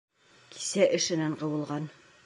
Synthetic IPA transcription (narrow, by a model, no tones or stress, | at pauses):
ki̥sæʔɘ̆ʃɘ̆næɴqɤ̆wɤ̆lˠʁɑn